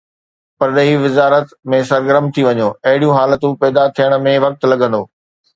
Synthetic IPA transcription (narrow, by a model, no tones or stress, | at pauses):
pɐɾɗeɦiʋɪzaːɾət̪mẽs̬ɐɾɡəɾəmt̪ʰiʋɐɲoːɐɦɪɽijũɦaːlət̪ũpɛːd̪at̪ʰijəɽ̃ə̆mẽʋɐk̚t̪lɐɠə̃nd̪oː